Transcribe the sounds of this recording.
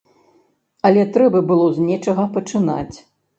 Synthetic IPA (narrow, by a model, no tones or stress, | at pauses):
ɐlʲɛt̪ɾɛbɐbɨlˠɔzʲnʲɛt͡ʂɐɣɐpɐt͡ʂɨna̰t͡sʲ